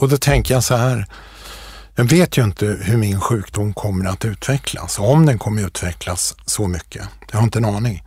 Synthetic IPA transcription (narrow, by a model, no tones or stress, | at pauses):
ɔd̪ɔt̪ʰɛŋkəjasɔhæːɾ | jɑːɡveːt̪ʰjɵɪnt̪əhɵɾmɪnɧʉ̟ːkd̪ʊmːkʰɔmːəɾat̪ʉ̟ːt̪vɛkʰla̰sɔɔmd̪ɛnkʰɔmːəɾʉ̟ːt̪vɛkʰlasːɔmʏkʰːəjɑhaɾɪnt̪əɛnɑːnɪŋ